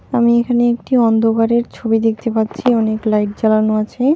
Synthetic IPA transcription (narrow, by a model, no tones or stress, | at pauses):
amiekʰaneekʈiɔnd̪ʱokaɾeɾt͡ɕʰobid̪ek̚ʰt̪epat̪ːɕʰiɔneklajʈ̚d͡ʑalanoat͡ɕʰe